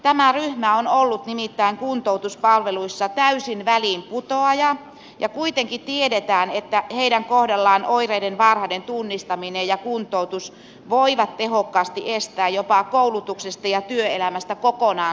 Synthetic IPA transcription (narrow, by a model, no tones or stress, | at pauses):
t̪æmæryhmæonolːut̪nimit̪ːæiŋkunt̪out̪uspɑlʋeluisːɑt̪æysinʋælimput̪oɑjɑ | jɑkuit̪eŋkit̪iedet̪æːnet̪ːæheidæŋkohdɑlːɑːnoireidenʋɑrhɑdent̪unːist̪ɑminejɑkunt̪ˑout̪us | ʋoiʋɑt̪tehokːɑːst̪iʔest̪æːjjopɑkoulut̪uksest̪ɑjɑt̪yøelæmæst̪ækokonɑː